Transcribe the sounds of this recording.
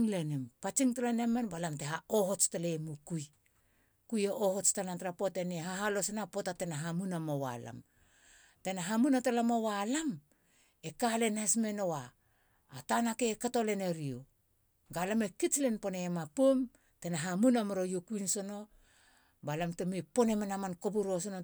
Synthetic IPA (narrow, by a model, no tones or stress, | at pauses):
ŋlenempat͡ʃiŋtalanemanbalamteɦaohot͡ʃtalemukuj | kujeʔohot͡ʃtanantɾapotenehaɦalosenapotatenaɦamunamowa̰la̰m | tenaɦamunatalamowalam | ekale̞nasme̞nowaː | tanakekato̞le̞neɾio | ɡalamekit͡ʃlenpo̞nemapom | tenaɦamunamɾojokujnso̞no̞ | balamtemepo̞nemenamankobuɾos̬ono